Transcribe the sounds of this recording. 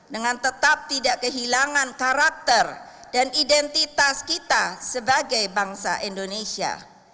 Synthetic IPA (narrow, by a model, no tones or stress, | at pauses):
dəŋant̪ət̪ap̚t̪idaʔkəɦilaŋankaɾak̚t̪ərdanidɛnt̪it̪askit̪asəbaɡajbaŋsa̰ʔindonesia̰